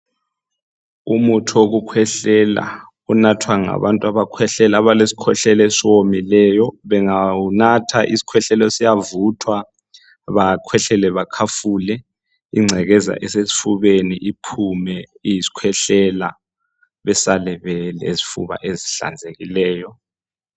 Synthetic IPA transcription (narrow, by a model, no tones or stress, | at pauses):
umutʰuoɣukʰwɛɬɛla̰ | unatʰwaŋa̰βantʼuaβakʰwɛɬɛlaβalesi̥kʰwɛɬɛlesiwomilɛːjɔβɛŋaunatʰaʔḭsi̥kʰwɛɬɛlɔsijavutʰwa | βakʰwɛɬɛlɛβakʰafuːlɛ | iŋ͡ǀʱɛɣɛza̰ʔɛsesi̥fuβeniʔipʰumɛ | ijisi̥kʰwɛɬɛla | βɛsalɛβɛlezifṵβa̰ʔeziɬa̰nd͡zʱeɣilɛːjɔ